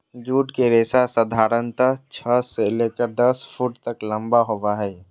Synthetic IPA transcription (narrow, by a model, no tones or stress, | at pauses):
d͡ʒuːʈkeɾeːsasəd̪ʱaːɾənt̪ət͡ʃʰəseleːkəɾd̪ɐspʰuːʈt̪əklɐ̃mbaɦoʋaɦɛː